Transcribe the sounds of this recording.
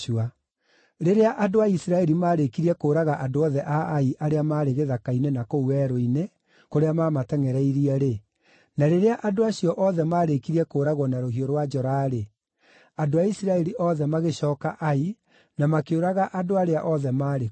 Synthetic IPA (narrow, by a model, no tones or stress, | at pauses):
ua | ɾeɾeaʔadoaisiɾaɛɾimaːɾekiɾiɛkoːɾaɣaʔadoɔðɛʔaːiʔaɾeamaːɾeɣeðakainenakouwɛɾoine | koɾeamaːmatɛŋɛɾɛiɾiɛɾe | naɾeɾeaʔadoaɕjɔʔɔðɛmaːɾekiɾiɛkoːɾaɣɔnaɾoɦioɾwad͡ʒɔɾaɾe | adoaisiɾaɛɾiʔɔðɛmaɣeɕɔːkaʔai | namakeoɾaɣaʔadoaɾeaʔɔðɛmaːɾe